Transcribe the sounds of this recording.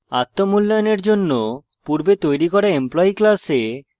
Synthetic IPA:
a̰t̪ːomulːajoneɾd͡ʑonːo | puɾbet̪ojɾikɔɾaemplɔiklase

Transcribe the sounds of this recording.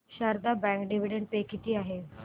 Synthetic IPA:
ɕaɾd̪abɛ̃ŋkɖiʋ̤iɖeɳɖ̚pekit̪iːaɦe

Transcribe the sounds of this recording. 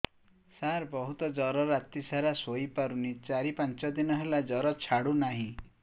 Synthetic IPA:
saɾbɔɦut̪ɔd͡ʒɔɾɔɾat̪isaɾasoipaɾunit͡ʃaɾipant͡ʃɔd̪inɔɦelad͡ʒɔɾɔt͡ʃʰaɽunaɦĩ

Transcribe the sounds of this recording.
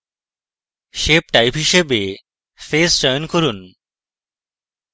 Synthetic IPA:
ʃep̚ʈajpɦiʃebe | fesd͡ʑɔjonkoɾun

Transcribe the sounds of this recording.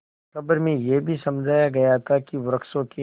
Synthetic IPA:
kɐbəɾmẽjebʱisɐmd͡ʒʱaːjaɡɐjat̪ʰakiʋɾəkʃõke

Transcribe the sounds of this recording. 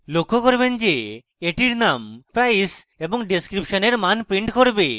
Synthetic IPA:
lokʰːokoɾbend͡ʒe | eʈiɾnampajs | eboŋɖiskɾipʃoneɾmanpɾiɳʈkoɾbe

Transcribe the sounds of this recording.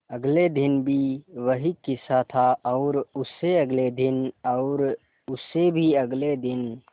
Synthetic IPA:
əɡled̪ɪnbʱiʋəɦikɪsat̪ʰaɔːɾʊsːeəɡled̪ɪnɔʊɾ | ʊsːebʱiəɡled̪ɪn

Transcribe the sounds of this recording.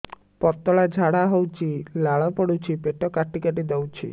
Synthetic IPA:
pɔt̪ɔɭad͡ʒʱaɽaɦowt͡ʃʰilaɭɔpɔɽut͡ʃʰipeʈɔkaʈikaʈid̪ɔwt͡ʃʰḭ

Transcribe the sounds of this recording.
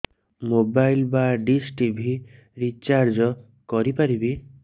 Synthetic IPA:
mobajlbaɖisʈibʱi | ɾit͡ʃaɾd͡ʒɔ | kɔɾipaɾibi

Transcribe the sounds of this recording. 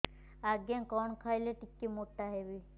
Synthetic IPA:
aɡjãkɔɳkʰajleʈikːimoʈːaɦeʋi

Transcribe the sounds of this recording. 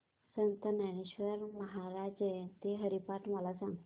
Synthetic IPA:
sənt̪ənañeɕʋəɾməɦaɾad͡ʑet̪eɦəɾipaʈməlasãŋɡ

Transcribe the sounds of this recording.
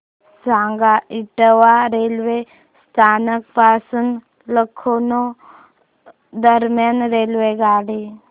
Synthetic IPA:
sãŋɡaiʈəʋaɾelʋe | st̪ʰanək̚pasuːn | ləkʰːono | d̪əɾmjanɾelʋeɡaɽi

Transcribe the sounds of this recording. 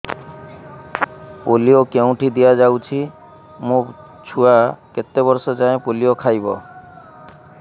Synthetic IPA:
poliokeũʈʰid̪ijad͡ʒawt͡ʃʰi | mũ | t͡ʃʰuaket̪ːebɔɾsɔd͡ʒaẽpolijokʰajbɔ

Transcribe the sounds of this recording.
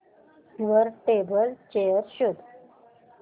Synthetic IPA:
d̪ʋəɾʈebəlt͡ɕejəɾɕud̪

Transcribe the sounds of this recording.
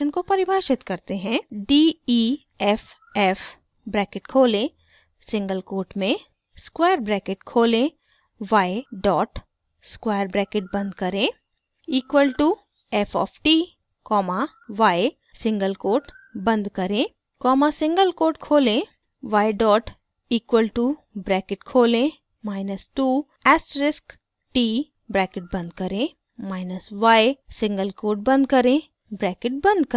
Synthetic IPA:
ənkopɐɾɪbʱaːʃɪt̪kɐɾt̪eɦɛ̃ːɖiːiː | ɛf | ɛf | bɾɛːkɪʈkʰoːlẽ | sɪ̃ŋɡəlkoːʈmẽ | skwaːjəɾbɾɛːkɪʈkʰoːlẽ | ʋaːeɖɔːʈ | skwaːjəɾbɾɛːkɪʈ̚bɐ̃nd̪kɐɾẽː | iːkʋəlʈu | ɛfʰɔ̰ːfʈiː | kɔːma | ʋaːe | sɪ̃ŋɡəlkoːɾʈ | bɐ̃nd̪kɐɾẽ | kɔːmasɪ̃ŋɡəlkoːɾʈkʰoːlẽ | ʋaːjɖɔːʈ | iːkʋəlʈubɾɛːkɪʈkʰoːlẽ | maːɪnəsʈuː | ɛsɾɪsk | ʈi | bɾɛːkɪʈ̚bɐ̃nd̪̚kɐɾẽ | maːɪnəsʋajsɪ̃ŋɡəlkoːɾʈ̚bɐ̃nd̪̚kɐɾẽ | bɾɛːkɪʈ̚bɐ̃nd̪kə

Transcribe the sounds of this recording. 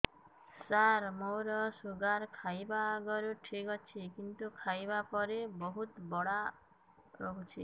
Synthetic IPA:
saɾmowɾɔsuɡaɾkʰajbaɡɔɾuʈʰikɔt͡ʃʰikint̪ukʰajbapɔɾebɔɦut̪bɔɽa | ɾɔɦut͡ʃʰi

